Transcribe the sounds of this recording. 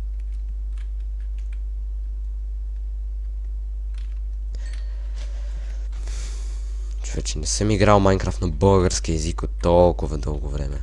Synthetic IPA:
t͡ʃovɛt͡ʃɛnɛsəmiɡɾalˠmajŋkɾaft̪nɐbɤlˠɡəɾsk̟iɛzikot̪ːɔlˠkʊvɐd̪ɤlˠɡovɾɛmɛ

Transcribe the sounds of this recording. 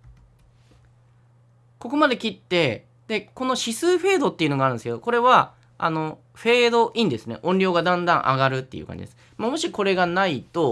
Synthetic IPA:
ko̞ko̞mad̪e̞kʲit̪ːe̞ | d̪̥e̞ko̞no̞ɕisɨːɸe̞ːd̪o̞t̪ːeiɯ̟noɡaɾ̟neske̞d̪oko̞ɾe̞βa | a̰no̞ | ɸe̞ːd̪o̞ʔĩnd̪e̞sɨne̞̰ʔõ̞ɲʲɾʲo̞ːɡad̪ãnd̪ãɰ̃ʔa̰ɡaɾɯ̟t̪ːe̞̰jɯ̟̰kã̰ɲd͡ʑḭd̪esɨ̥ | moːmo̞ɕiko̞ɾe̞ɡanait̪o̞

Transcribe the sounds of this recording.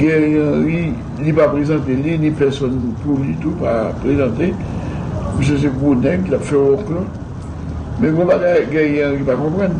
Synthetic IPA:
ɡɛ̃jãʁi | lipapʁezɑ̃t̪elinĩpɛʁsɔnpulit̪upa̰pʁezɑ̃t̪e | pys̬køs̬ɛɡonɛ̃kilapfɛlɔ̃kɔ | mɛ̃ɡɔ̃paɡaɡɛ̃jɛ̃ɣipakɔ̃pʁɑ̃n

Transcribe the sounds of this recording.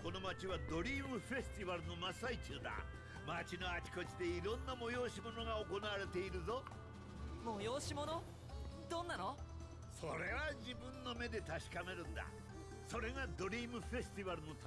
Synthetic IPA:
ko̞no̞mat͡ɕiβad̪o̞ɾʲiːmɯ̟ɸe̞sɨ̥t̪iβaɾɯ̟no̞masait͡ɕɨːd̪a̰ | mat͡ɕino̞at͡ɕi̥ko̞t͡ɕid̪e̞iɾõ̞nːamo̞jo̞ːɕimo̞no̞ɡaoko̞naβaɾe̞t̪e̞iɾɯ̟zo̞ | mojoːɕimo̞no | d̪õ̞nːano | so̞ɾe̞βad͡ʑibɯ̟̃nːo̞me̞d̪e̞t̪aɕi̥kameɾɯ̟̃nd̪a̰ | so̞ɾe̞ɡad̪o̞ɾʲiːmɯ̟ɸe̞sɨ̥t̪iβaɾɯno̞t̪

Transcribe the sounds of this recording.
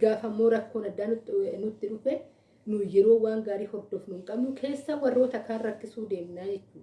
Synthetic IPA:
ɡaːfɐmːo̞ːɾɐkːo̞ːnɐd̪ːaːnnʊt̪ːɪᶑʊfɛ | nʊjɛɾoːwaːŋɡaːɾiːhɔɾd̪ɔfnʊŋkʼɐbnʊkʰe̞ːsːawɐrːo̞ːt̪ɐkaːnrɐkːɪsuːd̪e̞ːmnaːd͡ʒɛt͡ʃːuːd̪ɐ

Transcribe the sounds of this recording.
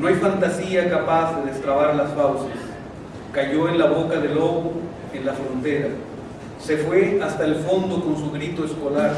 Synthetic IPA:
noajfant̪asiakapazðeðest̪ɾaβaɾlasfawses | kaʝo̞e̞nlaβo̞kaðe̞lo̞βu | enlafɾo̞nt̪e̞ɾa | se̞fwe̞ast̪aelfo̞nd̪o̞ko̞ns̬uɣɾit̪o̞esko̞laɾ

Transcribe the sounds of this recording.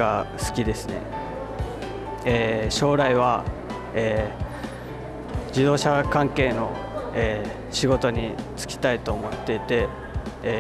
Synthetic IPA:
asɨ̥kʲid̪e̞sɨne̞̰ | eːɕo̞ːɾaiβ̞a | eː | d͡ʑid̪o̞ːɕakãŋke̞ːno̞ | eː | ɕiɡo̞t̪o̞ɲ̟it͡sɨ̥kʲi̥t̪ait̪oːmo̞t̪ːe̞t̪e̞

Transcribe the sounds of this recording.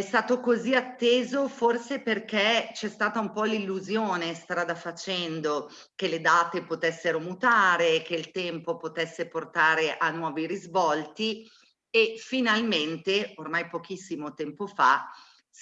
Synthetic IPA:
ɛst̪aːt̪okoziat̪ːeːzoforseperkɛt͡ʃɛst̪aːt̪aumpɔlilːuzjoːnest̪ɾaːd̪afat͡ʃɛnd̪o | keled̪aːt̪epot̪ɛsːeɾomut̪aːɾekeilt̪ɛmpopot̪ɛsːeport̪aːɾeʔanːwɔːviɾizvɔlt̪i | efinalment̪eormajpokisːimot̪ɛmpofa

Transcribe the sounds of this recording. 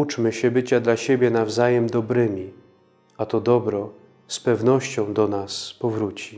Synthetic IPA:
ut͡ʂmɘɕɛbɘt͡ɕad̪laɕebʲjɛnavzajɛmd̪ɔbɾɘmʲi | at̪ɔd̪ɔbɾɔ | spɛvnɔɕt͡ɕɔ̃w̃d̪ɔnaspɔvɾut͡ɕi

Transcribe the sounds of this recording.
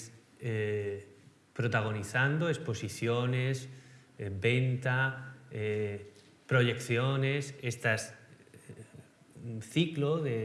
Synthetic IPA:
e | pɾot̪aɣ̞oniθand̪oespo̞siθjones | be̞nt̪ae | pɾo̞ʎe̞kθjo̞nesest̪as | θikloðe

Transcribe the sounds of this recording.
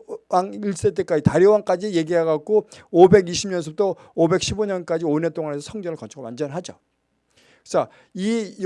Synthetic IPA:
waŋiɭs͈et͈ek͈ad͡ʑitaɾjʌwaŋk͈ad͡ʑije̞ɡiɦaɡak̚k͈oobe̞ɡiɕʰimɲʌns̬ʰɯp̚t͈o | obe̞k̚ɕʰiboɲʌnk͈ad͡ʑionet͈oŋanɦe̞sʰʌsʰʌŋd͡ʑʌŋɯɭkʌnt͡ɕʰʌɡowand͡ʑʌnɦad͡ʑo | kɯesʰa | ij

